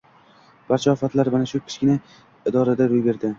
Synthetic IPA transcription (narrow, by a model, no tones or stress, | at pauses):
b̥aɾt͡ʃʰaɒfat̪laɾmanaʃʊkʲʰɪ̥ʃkʲɪnɪ | ɪd̪ɒɾad̪aɾojbe̞ɾd̪ɪ